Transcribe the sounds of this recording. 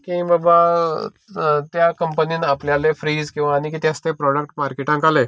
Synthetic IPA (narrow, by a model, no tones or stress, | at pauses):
kẽbaba | t̪jakəmpəniːnapljalefɾiːzkĩʋaːñikit̪jast̪ẽpɾɔɽəkʈmaɾkeʈãŋkale